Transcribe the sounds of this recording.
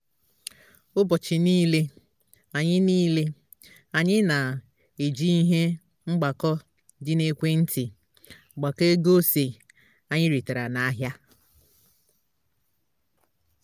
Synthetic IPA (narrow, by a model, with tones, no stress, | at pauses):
ʊ˦bɔ˨t͡ʃɪ˨niː˦le˦ | a˨ɲɪ˦niː˦le˦ | a˨ɲɪ˦na˨ | e˨d͡ʒi˦i˦ɦe˦ | ŋ͡m̩˦ɡ͡ba˨kɔ˦ | d͡ʒɪ˦ne˦kʷe˦n̩˦tʰɪ˨ | ɡ͡ba˨ke˦ɡo˦se˨ | a˨ɲɪ˦ɾi˨ta˨ɾa˨na˨a˦ɦja˦